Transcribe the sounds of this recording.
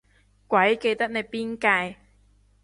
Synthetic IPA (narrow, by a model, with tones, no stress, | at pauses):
kwɐ˨˥jke˧jt̪ɐ˥k̚ne˧jpiː˥nkaː˧j